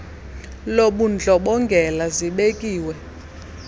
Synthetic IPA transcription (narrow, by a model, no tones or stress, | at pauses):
loɓund͡ɮʱɔɓɔŋɡʱɛlaziɓekʼiːwɛ